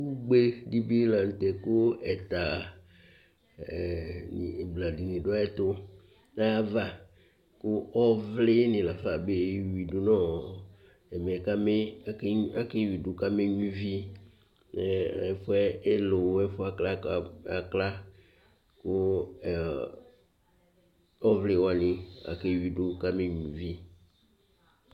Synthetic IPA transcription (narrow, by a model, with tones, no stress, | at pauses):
wu˦ɡ͡be˦di˦bi˦la˨n̩˨t̪ɛ˨kʊ˦ɛ˨t̪a˨ | ni˨bla˨di˨nĩ˨dʊ˦a˦ɛ˦t̪ʊ˦ | na˦ja˦va˦ | kʊ˦ɔ˦vlɪ˦nɪ̃˨la˨fa˨be˦wi˨du˨nɔ̃˦˨ | ɛ˨me˨ɛ˨ka˦me˦ | a˦ke˦wi˨dʊ˨ka˦me˦ɲũ˦vi˦ | nɛ˦ɛ˨fʊ˦ɛ˦e˦lʊ˨wɛ˦fʊ˦a˦kla˦˨˦a˨kla˦ | kʊ˦˨ | ɔ˦vlɪ˦˨wa˨nɪ̃˨a̰˨ke˦wi˨dʊ˦ka˦me˦ɲũ˨vi˦